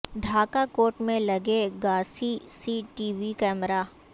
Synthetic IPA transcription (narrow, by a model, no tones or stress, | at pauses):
ɖ̪ʱaːkakoːʈmẽlɐɡeɡaːsisiːʈiːʋikɛːməɾaː